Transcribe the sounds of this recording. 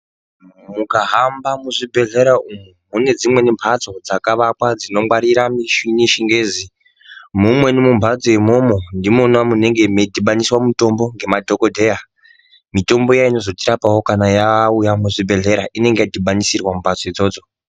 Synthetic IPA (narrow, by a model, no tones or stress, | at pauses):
mukaɦambamuʐibʱe̞ɮe̞ɾaumumune̞d͡zimwe̞nempʰat͡so̞d͡zakaʋakwad͡zino̞mwaɾiɾamiʃiniʃiŋɡe̞ːzi | mumwe̞nimumbʱad͡zojemo̞mondimonwamune̞ŋɡemedʱiɓaniswamuto̞mbo̞ŋɡe̞madʱo̞ko̞dʱe̞ja | mito̞mbo̞jaino̞zo̞tiɾapawo̞kanajaujamuʐibʱe̞ɮe̞ɾaʔine̞ŋɡe̞jadʱiɓanisirwamumbʱat͡soid͡zo̞ːd͡zo̞